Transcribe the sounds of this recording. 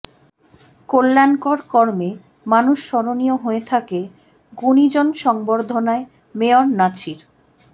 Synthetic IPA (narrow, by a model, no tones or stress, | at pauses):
kolːankoɾkɔɾme | manuʃʃɔɾonijoɦoet̪ʰake | ɡunid͡ʑonʃɔŋboɾd̪ʱonae | meoɾnat͡ɕʰiɾ